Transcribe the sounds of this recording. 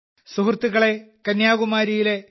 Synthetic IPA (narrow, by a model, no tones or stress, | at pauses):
suɦrt̪ːuɣɐɭe̞kɐnjaːɣumaːɾijile̞